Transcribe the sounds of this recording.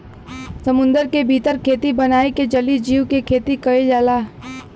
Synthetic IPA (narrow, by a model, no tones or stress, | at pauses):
səmʊ̃nd̪əɾkebʱiːt̪əɾkʰeːt̪ibənaːeked͡ʒəlid͡ʒiːʋkekʰeːt̪ikɐed͡ʒaːlaː